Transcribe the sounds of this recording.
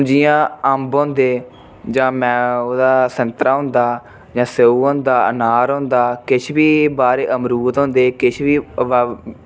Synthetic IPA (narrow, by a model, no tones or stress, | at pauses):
ʊ̃d͡ʒijãːəmbõːnd̪eː | d͡ʒãːmɛ̃ːoːd̪aːsənt̪ɾaːɦʊ̃nd̪aː | d͡ʒãːseuːɦõːnd̪aːə̰naːɾõːnd̪aːkɪt͡ʃʰbiːbaːɾeːʔəmɾuːt̪ɦõːnd̪eːkɪt͡ʃʰʋiː